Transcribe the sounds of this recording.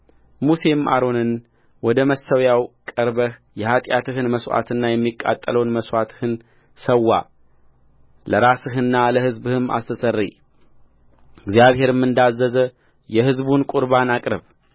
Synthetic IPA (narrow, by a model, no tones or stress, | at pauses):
muse̞mʔa̰ɾo̞nɨn | wɔd̪əməsːəwjawkʼəɾbəhjɛhat̪ʼjat̪ʰɨɦɨnməswa̰t̪ʰɨnːajɛmːikʼːa̰t̪ʼːələwnməswat̪ʰɨ̥hɨn | səwːa̰ | ləɾasɨɦɨnːaləhɨzbɨhɨma̰st̪ʰəsərːḭ | ɪɡzjaβɦe̞ɾɨmːɨnd̪azːəzə | jɛhɨzbunkʼuɾbanakʼɾɨβ